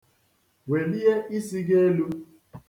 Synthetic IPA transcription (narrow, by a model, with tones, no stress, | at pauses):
we˨li˦je˦ʔi˦si˦ɡe˦e˦lu˦